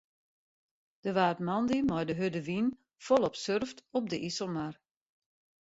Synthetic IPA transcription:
d̥əʋaːtmɑndimɔjdəɦødəʋin | fɔlˠɔpsørftɔp̚dəʔisəlˠmar

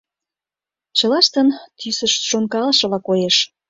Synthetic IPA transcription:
t͡ɕə̆lɑʃt̪ənt̪ysə̆ʃʃonkɑləʃɤ̆lɑkojeʃ

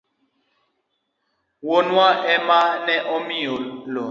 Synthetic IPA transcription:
wonwaʔɛmanɛʔɔmiolɔ

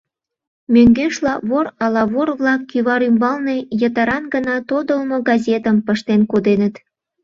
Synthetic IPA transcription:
møŋɡeʃlɑβoɾɑlɑβorβlɑkːyβɑɾymbɑlne̽jət̪əɾɑnɡənɑt̪od̪əlmoɡɑzʲet̪əmpəʃt̪enkod̪enət̪

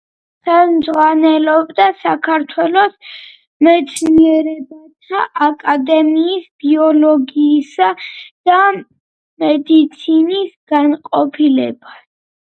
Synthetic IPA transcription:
χɛlˠmd̪zʁwanɛlɔbd̪asakʰaɾt̪ʰwɛlɔs | mɛt̪sʰniɛɾɛbat̪ʰaʔakʼad̪ɛmiːsb̥iɔlɔɡiːsad̪̥a | mɛd̪it̪sʰinisɡ̥anqʼɔpʰilɛ̰bas

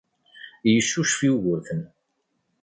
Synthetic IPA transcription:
jəʃːuʃfiʝʊɾθən

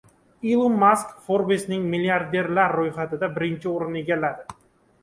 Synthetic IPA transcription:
ilˠumːaskfoɾbesnɪŋmiliaɾd̪e̞ɾlaɾːojχat̪ɪd̪abɪɾɪnt͡ʃʰɪoɾɪne̞ɡʲalːad̪ɪ

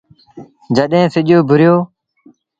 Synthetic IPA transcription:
d͡ʒəɗẽːsɪʄjoːbʱʊɾɪjoː

